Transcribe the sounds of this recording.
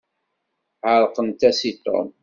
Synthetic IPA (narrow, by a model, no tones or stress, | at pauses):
ʕəɾˤqənt̪æsit̪ːo̰m